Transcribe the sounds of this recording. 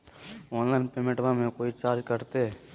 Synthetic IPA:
oːnlaːɪnpeːmẽʈʋãmẽkoːit͡ʃaːɾd͡ʒkəɾt̪e

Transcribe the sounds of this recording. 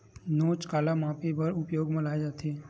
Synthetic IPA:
noːt͡ʃkaːlamãːpebəɾʊpjoːɡmɐlaːed͡ʒaːt̪eː

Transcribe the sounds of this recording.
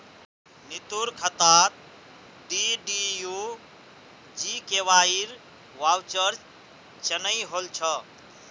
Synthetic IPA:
nit̪uɾkʰət̪at̪̚ | ɖiɖiju | d͡ʒikewaiɾ | wawt͡ʃəɾ | t͡ʃənəjɦolt͡ʃʰə

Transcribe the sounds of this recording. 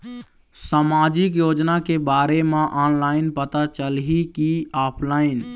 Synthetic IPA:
samaːd͡ʒikjoːd͡ʒnakebaːɾemãʔaːnlaːɪnpət̪at͡ʃəlɦikiaːpʰlaːɪn

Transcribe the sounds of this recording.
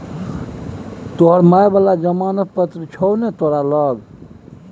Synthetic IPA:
t̪oɦəɾmajbəlad͡ʒəmanəpət̪ɾit͡ʃʰownet̪oɾaləɡ

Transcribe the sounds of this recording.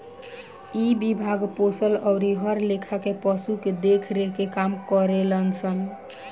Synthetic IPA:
ibibʱaɡposəlɔʊɾiɦəɾlekʰakepəsuked̪ekʰɾekekamkəɾelənt͡ʃʰən

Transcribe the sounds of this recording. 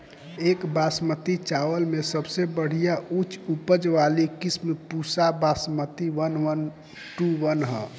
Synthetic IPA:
eːkbasmət̪it͡ʃaːʋəlmesəbsebəɽ̤ijaut͡ʃupəd͡ʒʋaːlikismpusabasmət̪iʋənʋən | ʈuʋənɦə̰

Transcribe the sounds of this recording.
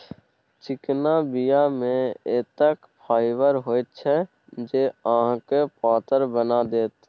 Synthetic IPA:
t͡ʃɪknabijamẽeːt̪əkpʰaːɪʋəɾɦoːet͡ʃʰɛ | d͡ʒeːãːɦkepaːt̪əɾbənad̪eːt̪

